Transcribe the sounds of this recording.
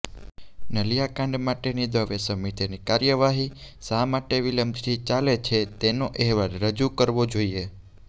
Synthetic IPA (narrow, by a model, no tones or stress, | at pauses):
nəlijakãɳɖmaʈenid̪əʋesəmit̪ʰinikaɾjəʋaɦi | samaʈeʋiləmbsit͡ʃalet͡ʃʰet̪enoʔɛɦʋaɾɾəd͡ʒukəɾʋod͡ʒoie